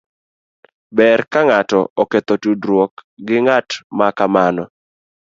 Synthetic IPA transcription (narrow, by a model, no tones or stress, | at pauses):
bɛrkaŋatɔ̰ɔket̪otudɾwokɡɪŋatmakamanɔ